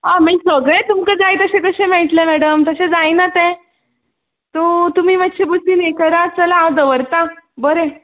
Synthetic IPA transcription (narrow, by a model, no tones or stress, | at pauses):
ɦamisəɡɭẽt̪umkəd͡zajt̪əɕẽk̪əɕẽmeɭʈlemæɽəmt̪əɕẽd͡zajnat̪ẽ | t̪ot̪um̤iːmakɕebəsinekəɾat͡səlaːʋd̪əʋəɾt̪abəɾe